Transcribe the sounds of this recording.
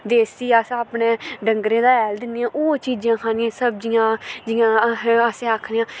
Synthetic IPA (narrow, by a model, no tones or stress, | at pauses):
d̪eːsiːaːsaːpneːɖəŋɡɾẽːd̪aːɛːld̪ɪnːãːʔoːt͡ʃiːd͡ʒãːkʰaːnɪãːsəb̚d͡ʒɪjãːd͡ʒɪjãːəseːaːkʰniːãː